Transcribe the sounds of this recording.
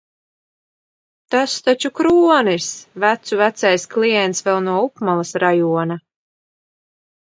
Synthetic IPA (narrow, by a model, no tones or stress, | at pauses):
t̪ast̪at͡ʃukɾuɔnisvæt̪suvæt̪sajsklˠijɛnt̪svɛlˠnuɔupmalˠasɾajuɔna